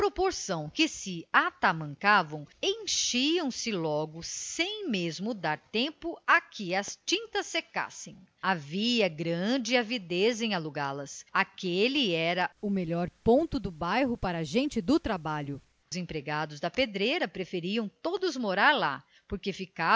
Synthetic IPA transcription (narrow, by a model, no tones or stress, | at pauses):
pɾopoɾsɐ̃w̃kɪsɪat̪amɐ̃ŋkavɐ̃w̃ẽj̃ʃiɐ̃w̃sɪlɔɡʊsẽj̃mezmʊd̪aɾt̪ẽmpʊakʰɪɐst͡ʃĩnt̪ɐsːeka̰sẽj̃aviɐɡɾɐ̃d͡ʒɪavid̪ezẽj̃aluɡalɐsakelɪɛɾɐʊmeʎɔɾpõnt̪ʊd̪ʊbajɦʊpaɾɐaʒẽnt͡ʃɪd̪ʊt̪ɾabaʎʊ | ʊzẽpɾeɡad̪ʊzd̪ɐped̪ɾejɾɐpɾefeɾiɐ̃w̃t̪od̪ʊzmoɾaɾla̰ | poɾkefika